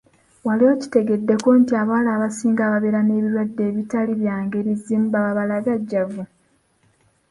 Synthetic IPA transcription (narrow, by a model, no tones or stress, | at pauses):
waliwoci̥te̞ɡe̞dːe̞ko̞ntiaːβalaːβasiːŋɡaːβaβeɾane̞ːβiɾwadːe̞ːβitaliβjaːŋɡe̞βiziːmbaβaβalaɡaɟːavu